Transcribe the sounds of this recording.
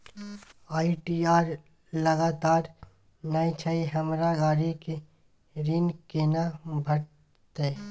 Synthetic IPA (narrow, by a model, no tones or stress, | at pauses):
aːiʈiaːɾ | lɐɡaːt̪aːɾ | naːjt͡ʃʰaiɦɐmɾaɡaːɾike | ɾinkeːnabʱɐɽ | t̪e